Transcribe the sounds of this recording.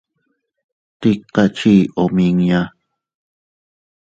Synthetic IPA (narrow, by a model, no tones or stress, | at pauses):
t̪iqːɑt͡ʃiʔomiŋja